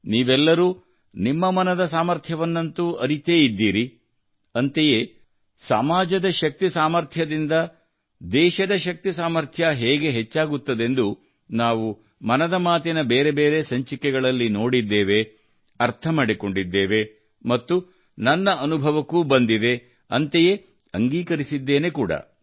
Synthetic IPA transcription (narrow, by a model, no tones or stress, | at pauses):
niːʋɛlːɐɾuː | nimːɐmɐnɐd̪ɐsaːmɐɾt̪ʰjɐʋɐnːɐnt̪uɐɾit̪e̞ːjid̪ːiːɾi | ɐnt̪ejeː | sa̰maːd͡ʒɐd̪ɐʃɐk̚t̪isaːmɐɾt̪ʰjɐd̪ind̪ɐ | d̪ɛːʃɐd̪ɐʃɐk̚t̪isaːmɐɾt̪ʰjɐɦeːɡe̞ɦet͡ʃːaːɡut̪ːɐd̪e̞nd̪u | naːʋu | mɐnɐd̪ɐmaːt̪inɐbeːɾe̞beːɾe̞sɐɲt͡ʃikːɛɡɐɭɐlːino̞ːɽid̪ːeːʋe̞ | ɐɾt̪ʰɐmaɽiko̞ɳɖid̪ːeːʋe̞ | mɐt̪ːu | nɐnːɐʔɐnubʱɐʋɐkːuːbɐnd̪id̪e̞ | ɐnt̪eje̞ | ɐŋɡiːkɐɾisid̪ːe̞ːne̞kuːɽɐ̰